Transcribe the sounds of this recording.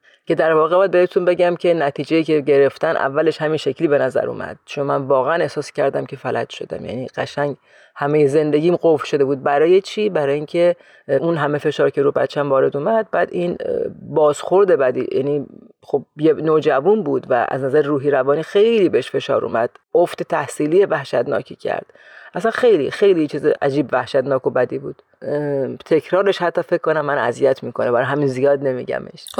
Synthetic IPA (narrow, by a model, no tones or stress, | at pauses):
cʰe̞d̪æɾvɒːɣebɒd̪behet̪ʰunbe̞ɟæmcʰe̞næt̪ʰiːd͡ʒejiːce̞ɟeɾeft̪ænʔæ̰vːæle̞ʃhæminʃe̞kʰliːbe̞næzæ̰ɾṵːmæ̰d̪̥̚t͡ʃʰo̞nmænvɒːɣeʔæne̞hsɒːscʲʰæɾd̪æmcʲʰe̞fælæ̰d̪̥ʃo̞̰d̪æ̰mjæ̰niːɢ̥æʃæŋɟ | hæmejeze̞nd̪e̞ɡiːmɢoflʃo̞d̪ebuːd̪̚bæɾɒːje̞t͡ʃʰiːbæɾɒːjiːŋcʰe | unɦæme̞fe̞ʃɒːɾkcʰe̞ɾuːbæ̰t̪t͡ʃʰːæmvɒːɾe̞d̪uːmæd̪̚bæːd̪inbɒːz̥xo̞ɾd̪e̞bæd̪ḭjʔæ̰niː | xob̚jenoːd͡ʒævunbuːd̪væ̰ʔæ̰znæzæɾeɾuːɦiːɾævɒːniːxe̞jliːbeheʃfe̞ʃɒ̰ːɾṵːmæd̪̥oft̪et̪ʰæhsiːlijevæhʃæt̪nɒ̰ːcʰḭːcʰæ̰ɾd̪̥ | ʔæsænxe̞jlixe̞jlijt͡ʃʰiːzeʔæd͡ʒiːbvæhʃæt̪nɒːkobæd̪iːbṵːd̪̥ | t̪ʰe̞cʰɾɒːɾeʃhæt̪ʰːɒːfecʰkːonæmːænæ̰zijæt̪ʰmiːkʰonebæɾɒɦæminzijɒːd̪ne̞miːɟæ̰me̞̰ʃ